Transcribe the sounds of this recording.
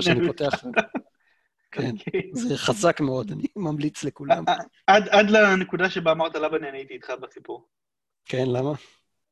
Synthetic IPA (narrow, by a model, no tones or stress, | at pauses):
ʃaninpoteaχa | kenzeχazakmeo̞danimamlit͡slekulam | ad̪ad̪lanekud̪aʃebaːmaʁt̪alabanianiit̪iːt̪χabasipuʁ | kenlama